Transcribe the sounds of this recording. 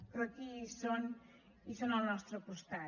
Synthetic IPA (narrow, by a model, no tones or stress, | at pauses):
pɾɔkison | isonalˠnɔst̪ɾəpust̪a